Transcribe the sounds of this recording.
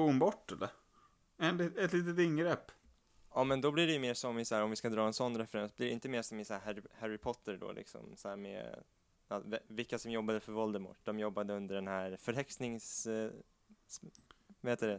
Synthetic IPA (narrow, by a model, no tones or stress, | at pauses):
uːnbɔʈːɛlːə̰ɾ | ɛnlɛt̪liːt̪ət̪ɪŋɡɾɛpː | ɑːmɛnd̪ɔblɪɖɛjɵmeːʂɔmɪsaæːɾɔmvɪskad̪ɾɑːɛnsɔnːɾɛfɛɾɛnsɔblɪɖɛɪnt̪əmeːʂɔmɪsahæhæhæɾɪpʰɔt̪ʰːəɾɖɔ̰lʔɪ̰ksɔ̰msahæːɾmḛ | at̪vvɪkːasɔmjɔbːad̪əfœɾvɔld̪əmʊ̰ʈːd̪ɔmjɔbːad̪əɵnd̪əɖɛnhæːɾfœɾɦɛksnɪŋs | aheːt̪d̪d̪ɛ